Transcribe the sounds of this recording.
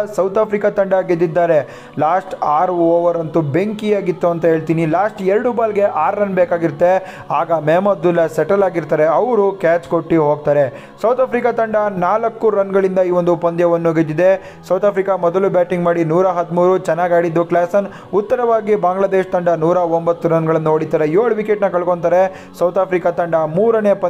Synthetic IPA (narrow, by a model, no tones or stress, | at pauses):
sɐwt̪ʰaːpʰɾikat̪ɐɳɖɐɡed̪ːid̪ːaːɾe̞ | laːsʈaːɾuoːʋɐɾɐnt̪ube̞ŋkijaːɡit̪ːuɐnt̪ɐɦe̞ːɭt̪iːnilaːsʈɛɾɽubaːlɡe̞ʔaːɾːɐnbeːkaːɡiɾt̪ːe̞ | aːɡɐmeːmɐd̪ulːɐsɛʈɐlaːɡiɾt̪aːɾeɐʋɾukaːt͡ʃko̞ʈːiɦoːɡ̚t̪aːɾe̞ | sɐwt̪ʰaːpʰɾikat̪ɐɳɖɐnaːlɐkːuɾɐnɡɐɭind̪ɐiːʋond̪upɐnd̪jɐʋɐnːuɡed͡ʒ̪ːid̪e̞ | sɐwt̪ʰaːpɾikamɔd̪ɐlubaːʈiŋɡmaːɽinuːɾaɦɐd̪muːɾut͡ʃɛnːaːɡaːɽid̪ːuklaːsɐn | ut̪ːɐɾɐʋaːɡibaːŋɡɭɐd̪eːʃt̪ɐɳɖɐnuːɾaombɐt̪ːuɾɐnɡɐɭɐnːuoːɽit̪aːɾejoːɭʋikeʈnɐkɐɭkoɳt̪aːɾe | sɐwt̪ʰaːpʰɾikat̪ɐɳɖɐmuːɾɐnepɐ